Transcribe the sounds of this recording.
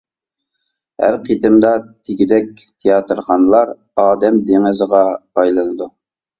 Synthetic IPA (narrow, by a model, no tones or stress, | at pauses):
hæ̰ɾqʰit̪ɪmd̪ɑt̪ʰeɡʲid̪ɛk̚ʲt̪ʰejɑt̪ɾχɑnɨlˠɑɾ | ɑːd̪ɛmd̪eŋɨzʁɑpɑjlˠɨnɨd̪u